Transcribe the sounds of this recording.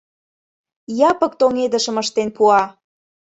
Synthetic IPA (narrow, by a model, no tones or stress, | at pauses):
jɑpək̚t̪oŋed̪əʃəməʃt̪enpuɑ